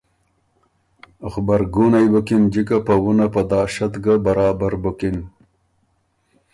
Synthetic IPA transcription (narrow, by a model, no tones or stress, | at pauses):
xbaɾɡunajbukind͡ʑikapawunapɐd̪ɑːʃat̪ɡabɐɾɑːbaɾbukin